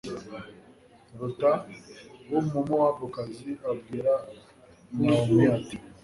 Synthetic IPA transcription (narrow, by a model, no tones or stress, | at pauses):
ɾutawomomowabokaziabɡiːɾa | namiati